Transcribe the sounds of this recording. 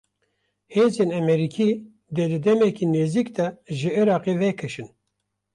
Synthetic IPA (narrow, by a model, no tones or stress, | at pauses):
heːzeːnɛmɛɾiːkʰiː | d̪ɛd̪ɨd̪ɛmɛkiːneːzikd̪ɛʒɨiɾɑːqeːvɛkʰɨʃɨn